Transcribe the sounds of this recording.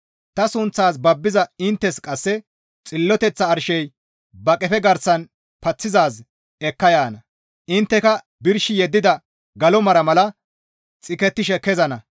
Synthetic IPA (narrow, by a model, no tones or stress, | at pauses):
t̪ɐsʊnt͡sːaːs̬bɐbːɪzɐɪnt̪ːɛskʼɐsːɛ | t͡sʼɪlːɔt̪ɛt͡sːɐːɾʃɛj | bɐkʼɛfɛɡɐɾsɐn | pɐt͡sːɪzaːs | ɛkːɐjaːnɐ | ʔɪnt̪ːɛkɐ | bɪɾʃɪjɛd̪ːɪd̪ɐ | ɡɐlɔmɐɾɐmɐlɐ | t͡sʼɪkɛt̪ːɪʃɛkɛzɐnɐ